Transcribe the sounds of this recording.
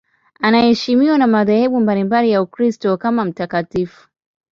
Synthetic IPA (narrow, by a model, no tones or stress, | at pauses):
anahɛʃimiwanamaðahɛɓumbalimbalijaukɾistɔkamam̩takatifu̥